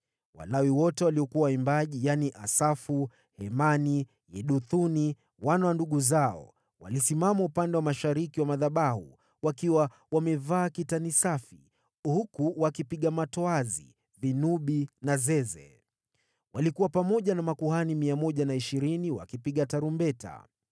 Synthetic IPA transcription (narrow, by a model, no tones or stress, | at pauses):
wa̰lawiwɔtɛwaliɔkuwawaimbaʄijaniʔasafu | hɛmani | jɛɗuθuni | wanawanduɠuzaɔ̰ | wa̰lisimamaupandɛwamaʃaɾikiwamaðaɓahṵ | wakiwa | wamɛvaːkitanisafi | hukuwakipiɠamatɔazḭ | vinuɓinazɛzɛ | walikuwapamɔʄanamakuɦanimiamɔʄanaiʃiɾiniwa̰kipiɠataɾumbɛta̰